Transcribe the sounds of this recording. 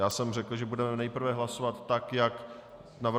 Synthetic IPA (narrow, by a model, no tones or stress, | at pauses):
jaːsɛmrɛkl̩ʒɛbudɛmɛnɛjpr̩vɛɦlasovat̪ːakjak | nav